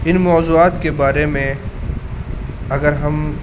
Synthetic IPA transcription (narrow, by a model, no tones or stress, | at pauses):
ɪnmɔːzuaːt̪kebaːɾemẽ | ɐɡəɾɦɐm